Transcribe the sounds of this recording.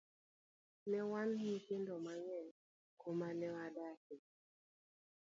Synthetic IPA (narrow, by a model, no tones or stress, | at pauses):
nɛwanhikindɔmaɲɛ | komanɛwadaki